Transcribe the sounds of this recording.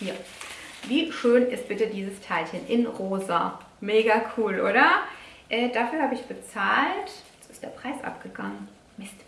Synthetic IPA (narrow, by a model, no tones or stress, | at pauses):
ja | viːʃøːnɪst̚b̥ɪtədiːzəstʰaɪlçənʔɪnʁoːza̰ | meːɡakʰuːlʔoːɾɐʔɛːd̥afyːɐhaːbəɪçb̥ət͡saːltɛt͡sɪstd̥eːɐpʁ̥aɪsʔa̰pɡ̥əɡaŋən | mɪst